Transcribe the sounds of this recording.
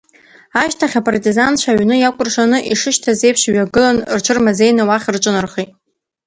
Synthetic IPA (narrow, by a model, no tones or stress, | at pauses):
aʃtʰaχʲapʼartʼizant͡ʃʷʰaɥnɨjakʷʼʊrʂanɨʔiʂɨʃtʰazejpʰʂɥaɡɨlanrt͡ʃʷʰɨrmazejnɨwaχʲrʈ͡ʂʼɨnɨrχejtʼ